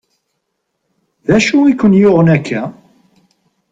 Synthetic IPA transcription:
ðæʃuikːʊnjoʁənækʰːæ

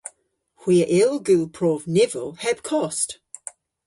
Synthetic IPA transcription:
hw̥iəʔɪlˠɡʉpʰɹ̥ɔvnɪvəlˠhɛb̥kʰɔst

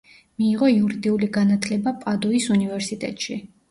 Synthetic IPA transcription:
miːʁɔiuɾid̪iuliɡanat̪ʰlɛbapʼad̪ɔisunivɛɾsit̪ʼɛ̰t̪ʼʃi

